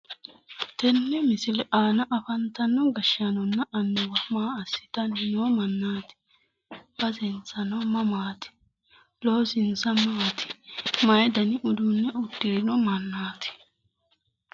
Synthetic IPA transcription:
t̪ɛnːɛmɪsɪlɛʔaːnɐʔɐfɐnt̪ɐnːɔɡɐʃɐnɔnːɐʔɐnːʊwɐmaːɐsːɪ̥t̪ɐnnoːmɐnːaːt̪ɪ̥ | b̥ɐzɛnt͡sɐnɔmɐmaːt̪ɪ̥ | loːsɪnt͡sɐmaːt̪ʰɪ̥mɐjd̪ɐnɪʔʊd̪ʊnːɛʊd̪ːeːnɔmɐnːaːt̪ɪ̥

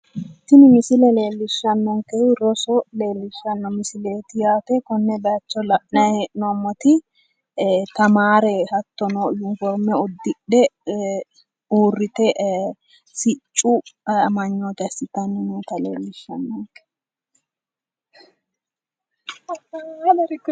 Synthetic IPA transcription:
t̪ːɪnɪmɪsɪlɛle̞ːlːɪʃːɐnːɔŋkɛɾɔsɔle̞ːlːɪʃːɐnːɔmɪsɪleːt̪ɪjaːt̪ɛkɔnːɛd̪ɐt͡ʃːɔlɐʔnɐeːʔɪnɔɐmːɔt̪ɪ | t̪ɐmaːɾɛhɐt̪ːɔnɔːjɪnfɔɾmɛɔd̪ːɪɗɛ | uːrːɪt̪ɛʔ | sɪt͡ʃʼːʊmɐɲːoːt̪ɐsːɪt̪ɐnːɪnot̪ɐle̞̰ːlːɪʃːɐ̰nːɔŋkɛ̥

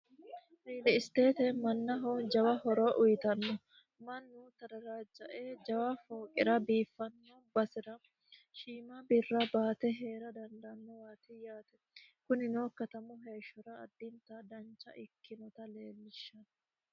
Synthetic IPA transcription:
ɾiːlɪɪst̪e̞ːt̪ɛmɐnːɐɦoːnd͡ʒɐwɐhɔɾɔʔʊjɪt̪ɐnːɔ | mɐnːʊt̪ɐd̪ɐɾaːd͡ʒːɐʔeːd͡ʒɐwafoːkʼɪ̰ɾɐbiːfːɐnːɔbɐsɪɾɐ | ʃiːmɐbɪrːɐbaːt̪ɛɦe̞ːɾɐd̪ɐnd̪ɐnːɔwaːt̪ɪjaːt̪ɛ | kʊnɪnoːkːɐt̪ɐmʊɦe̞ːʃːɔɾɐːd̪ːɪnt̪ɐd̪ɐnt͡ʃːɐ̰ʔɪkʰːɪnɔt̪ɐle̞ːlːɪʃːɐnɔ

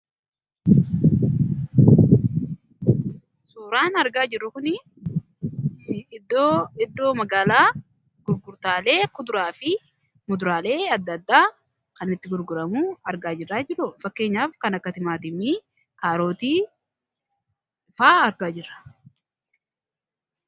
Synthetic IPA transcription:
suːɾaːnɐɾɡaːd͡ʒɪrːʊkʊnɪ | ɪd̪ːoːɪd̪ːo̞ːmɐɡaːlaː | ɡ̥ʊɾɡʊɾt̪aːle̞ːkʊd̪ʊɾaːfɪ | mʊd̪ʊɾaːle̞ːɐd̪ːɐd̪ːaː | kɐnɪt̪ːɪɡʊɾɡʊɾɐmuːɐɾɡaːd͡ʒɪrːaːd͡ʒɪɾʊfɐkːe̞ːɲːaːfkɐnɐkːɐt̪ɪmaːt̪ɪmiː | kaːɾo̞ːt̪iː | faːɐɾɡaːd͡ʒɪrːɐ̥

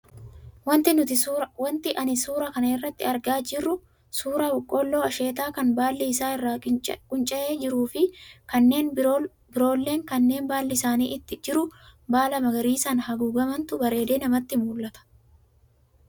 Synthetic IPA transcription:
wɐnt̪ɪnʊt̪ɪwɐnt̪ɪʔɐnɪsuːɾɐkɐnɐɪrːɐt̪ːɪɐɾɡaːd͡ʒɪrːʊ | suːɾawʊkʼːoːlːo̞ːɐʃe̞ːt̪̬aːkɐnbaːlːɛɪsaːɪrːaːkʼʊnt͡ʃʼɐʔe̞ːd͡ʒɪɾuːfɪkɐnːe̞ːn | bɪɾo̞ːlːe̞ːŋkɐnːe̞ːnbaːlːɛɪsaːniːʔɪt̪ːɪd͡ʒɪɾʊbaːlɐmɐɡɐɾiːsɐnhɐɡuːɡɐmɐnt̪ʊbɐɾe̞ːd̪e̞ːnɐmɐt̪ːɪmuːlːɐt̪ɐ̥

